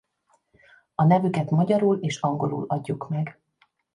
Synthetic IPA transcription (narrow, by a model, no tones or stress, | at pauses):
ɒnɛvykɛt̪mɒɟɒɾuːleːʃɒŋɡo̞ɾṵːlɒɟːukmɛɡ